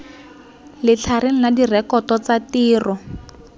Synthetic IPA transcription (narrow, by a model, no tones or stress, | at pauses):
lɪt͡ɬʰareŋ̩ladirɛkɔtɔt͡satiːrɔ